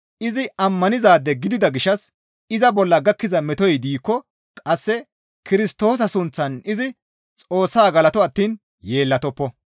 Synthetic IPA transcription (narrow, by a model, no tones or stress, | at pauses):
ʔɪzɪʔɐmːɐnɪzaːd̪ːɛɡɪd̪ɪd̪ɐɡɪʃːɐs | ɪzɐbɔlːɐɡɐkːɪzɐmɛt̪ɔjd̪iːkːɔ | kʼɐsːɛ | kɪɾɪst̪o̞ːs̬ɐsʊnt͡sːɐnɪzɪ | t͡sʼo̞ːsːaːɡɐlɐt̪ɔɐt̪ːiːn | je̞ːlːɐt̪ɔpːɔ